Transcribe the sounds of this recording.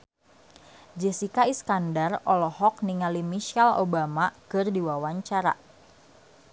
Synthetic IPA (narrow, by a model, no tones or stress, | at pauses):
d͡ʒɛsikaiskandarɔlɔhɔk̚niŋalimiʃalo̰bamakɨrdiwawaɲt͡ʃaɾa̰